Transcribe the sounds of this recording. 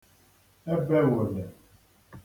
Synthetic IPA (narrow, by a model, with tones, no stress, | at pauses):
ɛ˦bɛ˦wo˨lɛ˨